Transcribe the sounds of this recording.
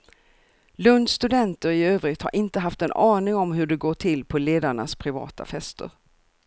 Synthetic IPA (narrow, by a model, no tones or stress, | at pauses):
lɵnd̪st̪ɵd̪ɛnt̪əɾɪøːvɾɪt̪ha̰ɾʔɪnt̪əɦaft̪ɛnʔɑːnɪŋɔmɦɵɖɛɡoːʈʰɪlpʰɔleːd̪aɳa̰spʰɾɪvɑ̰ːt̪ʰa̰fɛst̪ə̰ɾ